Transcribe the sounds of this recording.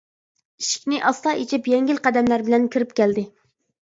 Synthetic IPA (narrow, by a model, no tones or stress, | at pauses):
iʃi̥kʲnɪʔɑst̪ɑʔit͡ʃʰipjɛŋɡʲilqʰæd̪ɛmlæɾbɪlɛnkʲʰiɾɪp̚kʲʰæld̪ɪ